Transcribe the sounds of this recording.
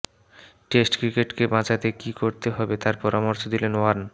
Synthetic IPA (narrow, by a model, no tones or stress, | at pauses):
ʈesʈkɾikeʈkebãt͡ɕat̪ekikoɾt̪eɦɔbet̪aɾpɔɾamoɾʃod̪ilenoaɾn